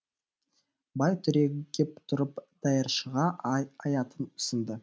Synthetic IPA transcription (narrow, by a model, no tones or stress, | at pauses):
bɑjt̪ʰʏɾeɡʲep̚t̪ʰʊɾəpd̪̥ɑjəɾʃəʁɑɑjɑt̪ənʏ̥sɪnd̪ə